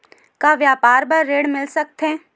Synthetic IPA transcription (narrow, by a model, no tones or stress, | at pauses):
kaʋjaːpaːɾbɐɾːeːɽmɪlsɐk̚t̪ɦɛ̃ː